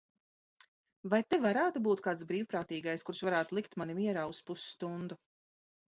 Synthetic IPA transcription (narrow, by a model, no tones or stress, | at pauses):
vajt̪evaɾaːt̪ubuːt̪̚kaːt̪sbɾiːwpɾaːt̪iːɡajskuɾʃvaɾaːt̪ulˠik̚t̪manimiɛɾaːuspusst̪und̪u